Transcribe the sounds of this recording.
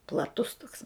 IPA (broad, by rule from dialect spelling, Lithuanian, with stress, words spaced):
plˠɐˈtʊs toːks